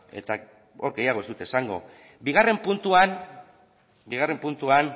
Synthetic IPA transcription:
e̞̰t̪a | o̞ɾɡe̞jaɣ̞o̞ezd̪ut̪esaŋɡo̞̰ | biɣ̞are̞mpunt̪uan | biɣ̞are̞mpunt̪uan

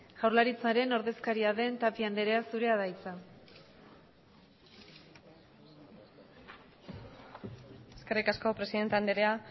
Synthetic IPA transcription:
ɣ̥awɾlaɾit͡saɾe̞no̞ɾðe̞skaɾiaðe̞nt̪apiand̪e̞ɾe̞asuɾe̞aðajt͡sa | eskerikasko̞pɾe̞siðe̞nt̪eand̪eɾea

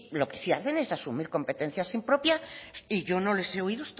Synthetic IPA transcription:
lo̞ke̞̥sia̰θe̞ne̞sasumiɾko̞mpe̞t̪e̞n̟θjasimpɾo̞pjaiʝo̞no̞le̞se̞oiðost̪

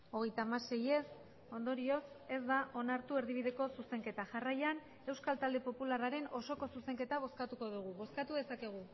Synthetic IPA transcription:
o̞ɣe̞jt̪aːmase̞je̞s | o̞nd̪o̞ɾio̞s | e̞zd̪aʔo̞naɾt̪ue̞ɾðiβ̞iðe̞ko̞suse̞ŋke̞t̪aʝarajan | e̞wskalt̪ald̪e̞po̞pularaɾe̞no̞so̞ko̞suse̞ŋke̞t̪aβ̞o̞skat̪uko̞ð̞uɣ̞uβo̞skat̪uðe̞sake̞ɣ̞u

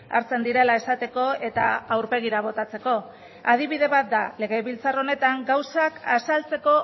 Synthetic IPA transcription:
a̰ɾt͡se̞nd̪iɾe̞lae̞sat̪e̞ko̞e̞t̪a̰awɾpe̞ɣ̞iɾaβ̞o̞t̪at͡se̞ko̞ | að̞iβiðe̞βat̪̚d̪aleɣe̞βilt͡saro̞ne̞t̪aŋɡawsakasalt͡se̞ko̞

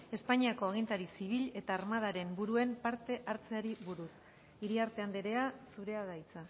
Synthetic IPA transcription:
e̞spaɲiako̞aɣ̞int̪aɾisiβ̞iʎe̞t̪aːɾmað̞aɾe̞mbuɾue̞mpaɾt̪e̞ʔaɾt͡se̞aɾiβuɾus | iɾiaɾt̪eand̪eɾe̞asuɾe̞aðajt͡sa

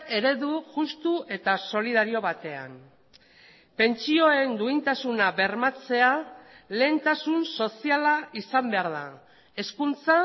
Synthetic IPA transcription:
e̞ɾe̞ðuʝust̪ue̞t̪aso̞liðaɾio̞βat̪e̞a̰n | pe̞nt͡sio̞e̞nd̪uint̪asunaβe̞rmat͡se̞ale̞ːnt̪asunso̞sialaisambe̞aɾða | e̞skunt͡sa

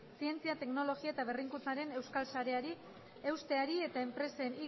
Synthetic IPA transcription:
sie̞nt͡siat̪e̞kno̞lo̞ɣiaet̪aβe̞riŋkut͡saɾe̞ne̞wskalsaɾe̞aɾi | e̞wst̪e̞aɾie̞t̪ae̞mpɾe̞seni

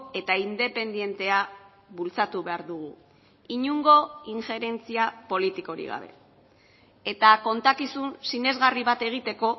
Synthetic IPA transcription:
e̞t̪aind̪e̞pe̞nd̪ije̞nt̪e̞a | βult͡sat̪uβe̞aɾðuɣu | iɲuŋɡo̞iŋxe̞ɾe̞nt͡siapo̞lit̪iko̞ɾḭɣa̰βe̞̰ | e̞t̪ako̞nt̪akisunsine̞zɣariβat̪e̞ɣ̞it̪e̞ko̞

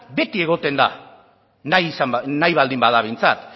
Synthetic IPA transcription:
be̞t̪ie̞ɣ̞o̞t̪e̞nd̪a̰ | najsanajβald̪imbaðaβ̞e̞jnt͡sa̰t̪

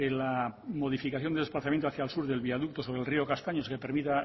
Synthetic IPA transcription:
elamo̞ðifikaθjondeesplaθamjent̪oaθjalsuɾðe̞lβiaðuk̚t̪o̞soβɾelrio̞kast̪aɲo̞skepeɾmit̪a

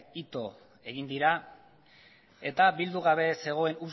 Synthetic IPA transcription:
it̪o̞ | e̞ɣind̪iɾa | e̞t̪abild̪uɣ̞aβe̞se̞ɣ̞o̞e̞nus

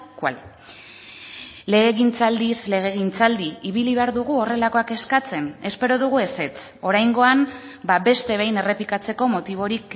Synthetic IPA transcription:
kwa̰l | leɣeɣint͡sald̪isle̞ɣ̞e̞ɣint͡sald̪iiβiliβe̞aɾðuɣuo̞re̞lako̞ake̞skat͡se̞ne̞spe̞ɾo̞ðuɣue̞se̞t͡s | o̞ɾajŋɡo̞am | babe̞st̪e̞β̞e̞jne̞re̞plikat͡se̞ko̞mo̞t̪iβ̞o̞ɾik

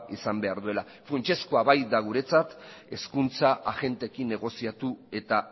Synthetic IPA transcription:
isambe̞aɾðue̞la | fɾunt͡ʃesko̞aβajd̪aɣ̞uɾe̞t͡sat̪e̞skunt͡saʔaɣe̞nt̪e̞kine̞ɣ̞o̞siat̪ue̞t̪a

